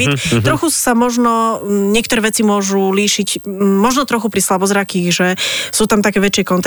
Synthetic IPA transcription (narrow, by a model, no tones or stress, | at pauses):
it̪t̪ɾɔxusamɔʒnɔɲɪɛkt̪ɔɾɛːʋɛt͡simʊɔʒuliːʃicmɔʒnɔt̪ɾɔxupɾislabɔzɾakiɣʒɛsuːt̪amt̪akɛːʋɛt͡ʃɪɛkɔnt̪